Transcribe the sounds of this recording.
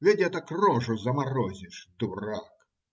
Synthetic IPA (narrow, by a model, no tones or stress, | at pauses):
vʲɛdʲɛt̪ɐkrɔʐʊzɐmarɔzʲɪʂd̪urak